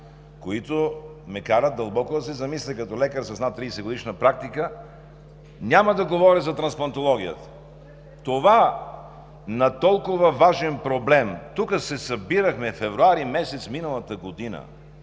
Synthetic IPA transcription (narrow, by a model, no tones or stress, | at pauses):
koit̪omɛkaɾət̪̚d̪ɐlˠbɔkod̪ɐsɛzɐmislʲɛkɐt̪ɔlɛkəɾsɐsnat̪ːɾid̪ɛsɛɡod̪iʃnəpɾak̚t̪ikə | nʲamɐd̪ɐɡovɔɾizɐt̪ɾɐnsplˠɐnt̪olˠɔɡ̟ʲijə̰t̪ə̥ | t̪ova | nɐt̪ɔlˠkovɐvaʒɛnpɾoblɛmt̪ukəsɛsɐbiɾəxmɛfɛvɾuaɾimɛsɛt̪sminəlˠɐt̪əɡod̪inə̰